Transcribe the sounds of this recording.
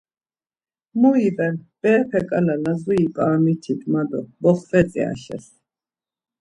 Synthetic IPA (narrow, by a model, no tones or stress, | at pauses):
muibɛnb̥ɛpʰɛkʼalalazuipʼaːmit̪ʰid̪ʼmad̪ɔbɔχvɛt͡sʼḭa̰ɬɛ̰s